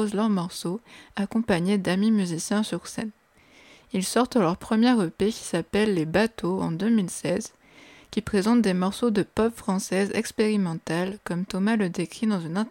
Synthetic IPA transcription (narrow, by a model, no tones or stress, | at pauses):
ozlœʁmɔʁsoakɔ̃paɲed̪amimyzisjɛ̃syʁsɛ̰n | ilsɔʁt̪əlœʁpχəmjɛʁəpekʲi̥sapɛlːebat̪ʰoɑ̰̃d̪ømilsɛz | kʲipχezɑ̃t̪̚d̪emɔʁsod̪əpɔpfχɑ̃sɛzɛ̰kspeʁimɑ̃t̪alkɔmt̪ɔmaləd̪ekχid̪ɑ̃zynɛ̃